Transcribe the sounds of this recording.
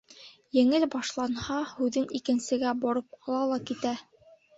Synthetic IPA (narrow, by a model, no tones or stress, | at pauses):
jɘ̆ŋɘlbɑʃlˠɑnhɑhʉðɘnikɘ̆nsɘ̆ɡæbɑɾɤp̚qʰɑlˠɑlˠɑkit̪æ